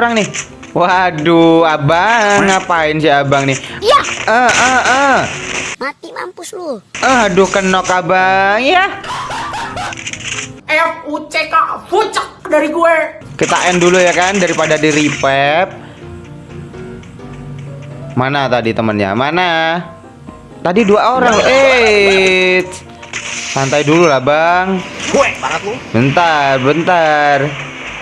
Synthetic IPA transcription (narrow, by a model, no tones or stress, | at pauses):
ɾaŋnɪh | waduabaŋːapaɪnsɪabaŋnɪhjaəəə | mat̪ima̰mpʊsluəadukənɔkabaŋja | ɛfut͡ʃekafut͡ʃək̚daɾiɡuɛ | kət̪aʔɛndulujakandaɾipadadiɾipɛp̚ | manat̪adit̪əmənɲa̰mana | t̪adiduaoɾaŋʔe | sant̪ajdululahbaŋbuɛbaŋət̪ubənt̪ərbənt̪ər